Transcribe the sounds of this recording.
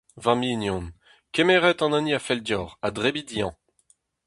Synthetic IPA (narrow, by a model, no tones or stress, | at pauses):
vaminjɔ̃n | kɛmɛːʁɛt̪ɑ̃naniafɛldjɔːʁadʁebid̪ijɑ̃